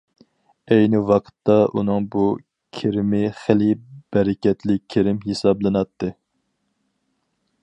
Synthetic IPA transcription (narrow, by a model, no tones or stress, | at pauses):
ɛjnɪwɑqʰə̥t̪ːɑʔunɨŋbu | kʲʰeɾɪmɪχɪlɪb̥ɛɾɪkʲɛt̪lɪkʲʰːeɾɪmɦesɑblˠɨnɑt̪ʰːɨ